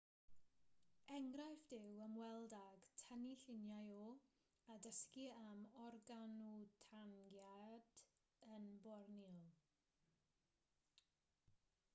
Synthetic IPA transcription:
ɛŋɡrajfd̥ɪwəmwɛlˠdaɡ̥tʰəniɬɪnjajo | adəskiamɔrɡanutʰaŋɡjad̥ | ənbɔrniɔlˠ

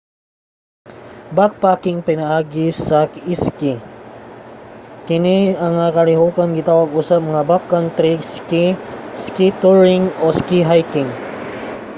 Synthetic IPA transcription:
bak̚paːkɪŋpɪnɐʔaːɡɪsɐkiski | kɪniɐŋakɐlɪɦuːkɐnɡɪt̪aːwɐɡusap̚mɐŋabakːɐnt̪ɾiskiskit̪uɹɪŋoskiɦajkɪŋ

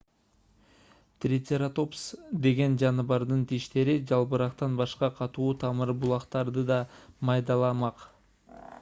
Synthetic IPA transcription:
t̪rʲɪt̪ʲeɾat̪o̞psd̪e̞ɡe̞nd͡ʒɑnɯβɑɾd̪ɯnt̪iʃt̪e̞ɾid͡ʒɑlˠpɯɾɑqt̪ɑnbɑʃqɑqʰɑt̪uːt̪ʰɑmɯɾbulˠɑqt̪ɑɾd̪ɯd̪ɑmɑjd̪ɑlˠɑmɑq

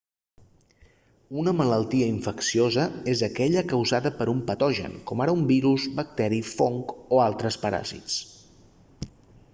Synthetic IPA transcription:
unəmələlˠt̪iəiɱfəksiozəezəkɛʎəkəwzaðəpəɾumpət̪ɔʒə̰nkɔmaɾəumbiɾuzβək̚t̪ɛɾifoŋkoalˠt̪ɾəspəɾa̰zḭt͡s

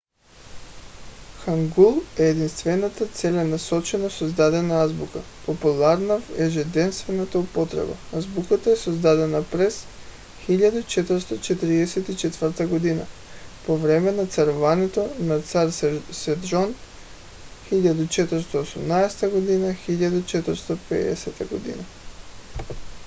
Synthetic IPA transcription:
xaŋɡulˠɛːd̪inst̪vɛnat̪at̪sɛlɛnasɔt͡ʃɛnasozd̪ad̪ɛnaazbuka | populˠaɾnavɛʒɛd̪ɛnst̪vɛnat̪aupɔt̪ɾɛ̰ba̰azbukat̪aɛsozd̪ad̪ɛnapɾɛs | xiʎad̪ut͡ʃɛt̪əɾst̪ɔt͡ʃɛt̪iɾiɛsɛt̪it͡ʃɛt̪vəɾt̪aɡod̪ina̰ | povɾɛmɛnat̪saɾuvanɛt̪onat̪saɾsɛd̪ʒɔn | xiʎad̪ut͡ʃɛt̪əɾst̪ɔːsumnaɛsɛ̥t̪aɡod̪inaxiʎad̪ut͡ʃɛt̪əɾst̪ɔpɛ̰ɛ̰sɛt̪aɡod̪ḭna

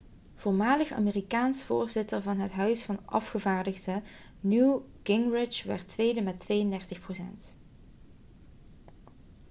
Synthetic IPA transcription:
v̥oːɹmaːləxa̰ːmeːrikaːnsfʊːɹzɪtəɹvɑnɦətɦœɥsfɑnʔɑ̰fχəvaːɹdəɣdə | nukɪŋrɪt͡ʃʋɛ̰ɹtʋejdəmɛtʋejəndɛɹtəxprosɛ̰nt

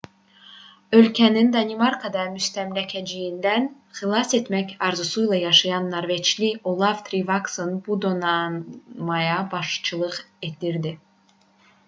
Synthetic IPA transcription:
ø̞lcʰænind̪ɑnimɑɾkʰɑd̪ɑmyst̪æmlæcʰæd͡ʒijind̪æn | χilˠɑse̞t̪mæçɑɾzusujlˠɑjɑʃɑjɑnːɑɾvet͡ʃliolˠɑvt̪ʰɾivɑksonbud̪onɑmɑjɑbɑʃt͡ʃʰɯlˠɯʁed̪iɾd̪i

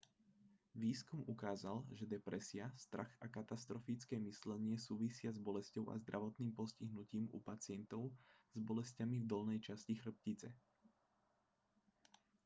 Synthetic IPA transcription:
ʋiːskumukaːzalʒɛd̪ɛpɾɛsɪast̪ɾa̰xakat̪ast̪ɾɔfit͡skɛːmislɛɲɪɛsuːʋisɪazbɔlɛscɔʊʔa̰zd̪ɾʔaʋɔt̪niːmpɔsciɦnuciːmṵpat͡sɪɛnt̪ɔʊz̥bɔlɛscamivd̪ɔlnɛjt͡ʃascixr̩p̚cit͡sɛ̰

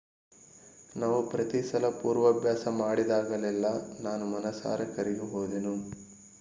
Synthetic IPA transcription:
naːʋupɾɐt̪isɐlɐpuːɾʋɐːbʱjaːsɐmaːɽid̪aːɡɐlɛlːɐnaːnumɐnɐsa̰ːɾɐkɐɾiɡuɦoːd̪enu

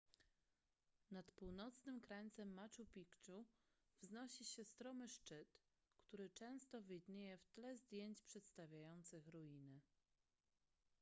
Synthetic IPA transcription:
nat̪puwnɔt̪snɘmkɾaɲʲt̪sɛmːat͡ʂupʲikt͡ʂu | vznɔɕiɕɛst̪ɾɔmɘʂt͡ʂɘt̪ | kt̪uɾɘt͡ʂɛ̃w̃st̪ɔvʲɘjd̪ɲejɛft̪lɛzd̪ʲjeɲt͡ɕpʂɛt̪st̪avʲjajɔnt̪sɘxɾujinɘ

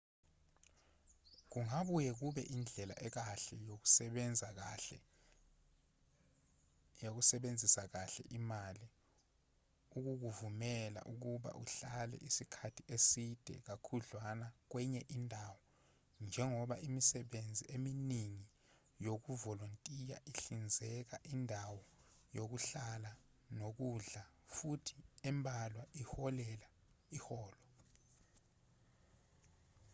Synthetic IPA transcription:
k̬uŋaɓujɛk̬uɓɛ̰ʔind͡ɮʱɛla̰ʔɛk̬aɬɛjok̬u̥sɛɓɛnd͡zʱak̬aɛ | jok̬usɛɓend͡zʱisak̬aɬɛ̰ʔimali | uk̬uk̬uvumɛla̰ʔuk̬uɓa̰ʔuɬalɛ̰ʔisikʰatʰiʔesid̥ʱɛ̰k̬akʰuɮwanak̬wɛɲɛʔindʱawɔ | nd͡ʒʱɛŋɔɓaʔimisɛɓend͡zʱiʔeminiŋi | jok̬uvɔlontʼija̰ʔiɬind͡zʱɛk̬aʔindʱawɔ | jok̬uɬala | nok̬uɮa | futʰi̥ɛmbʱalwaihɔlɛla | ihɔːlɔ

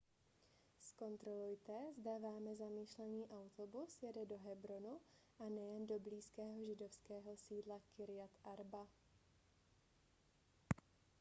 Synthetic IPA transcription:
sko̞nt̪ɾo̞lujt̪ɛzdavaːmɛzamiːʃlɛniːʔawt̪o̞busjɛdɛdo̞ɦɛbɾo̞nu | ʔanɛjɛndo̞bliːskɛːɦo̞ʒɪdo̞fskɛːɦo̞siːdlakɪɾɪjat̪ʔaɾba

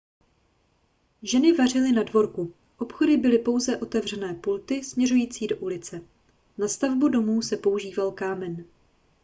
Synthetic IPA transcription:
ʒɛnɪvar̝ɪlɪnadvo̞ɾku | ʔo̞pxo̞dɪbɪlɪpo̞wzɛʔo̞t̪ɛvr̝ɛnɛːpult̪ɪsmɲɛrujiːt͡siːdo̞ʔulɪt͡sɛ | nast̪avbudo̞muːsɛpo̞uʒiːvalkaːmɛn

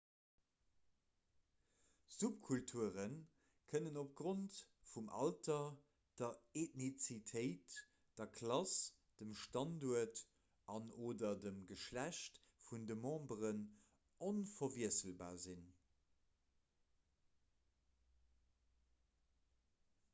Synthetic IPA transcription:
zup̚kʰultʰuəʁən | kʰənənop̚ɡ̥ʁontfumʔɑ̰ltɐ | d̥ɐetnit͡sitʰəɪt | d̥ɐkʰlɑs | d̥əmʃtɑnduɐt | ɑnoːdɐdəmɡəʃlæɕt | fundəmɑ̃ːbəʁən | onfɐviəsəlba̰ːzin

